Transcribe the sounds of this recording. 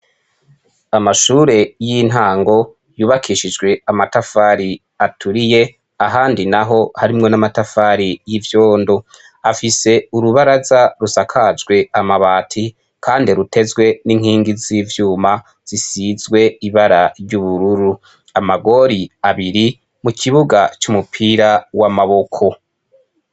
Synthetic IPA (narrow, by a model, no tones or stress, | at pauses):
amaʃuːɾe̞jin̥ɦaːŋɡo̞ | juːβakʰiːʃid͡ʒɡwe̞amatafaːɾi | atʰuɾije̞ | aɦaːndinaɦo̞haɾimŋo̞namatafaɾijivjo̞ːndo | afise̞uɾuβaɾazaɾusakʰad͡ʒɡwe̞amaβaːtʰi | kʰaːndiɾute̞zɡwe̞niŋ̥hiːŋɡiziːvjuːma | z̥isizɡwe̞iβaɾaɾɟuβuɾuɾu | amaɡo̞ɾiaβiɾi | mukʰiβuɡat͡ʃumupʰiɾawamaβo̞kʰo̞